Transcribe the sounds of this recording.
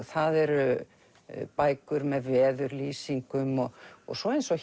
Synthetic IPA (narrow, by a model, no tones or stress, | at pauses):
θaðɛɾʏ | paːjkʏɾmɛðvɛːðʏɾliːsiŋkʏmɔɣɔ̰ɣsɔejnsɔɣ